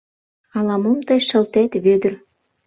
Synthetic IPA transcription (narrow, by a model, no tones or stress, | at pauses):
ɑlɑməmt̪ɤjʃə̆lt̪et̪βød̪ə̆r